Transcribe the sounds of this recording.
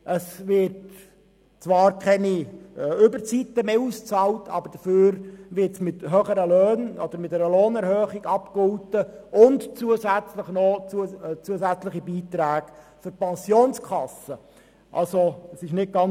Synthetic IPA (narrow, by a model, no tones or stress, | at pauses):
ʔəsvɪɾt | t͡sʋɑːɾkʰɛniʏbəɾt͡sitːəmeːust͡sɑːltʰɑ̰b̥əɾd̥əføːɾvɪtsmɪtɦøːχəɾəløːnɔd̪̥əɾmɪt̚ːɛɾəloːnɛɾhœːχiɡɑpkʊltəʊntt͡suəsæt͡sləχnɔt͡sut͡suəsæt͡slɪχibiːt̪ɾæːɡ | fʏɾpɛnsjoːnskʰɑsə | ʔɑ̰lsosɪʃnɪt̚ɡ̥ɑn